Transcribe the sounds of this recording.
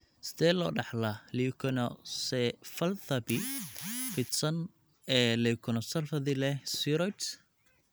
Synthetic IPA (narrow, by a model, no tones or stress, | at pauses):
sɪ̥ðɛːlɔːɖɑħlɐlikʰɔnɔsɛfɐlθɐbɪfɪt̪sɐn | ɛːlɛkʰɔnɔsɐlfɐðɪlɛsiɾɔt̪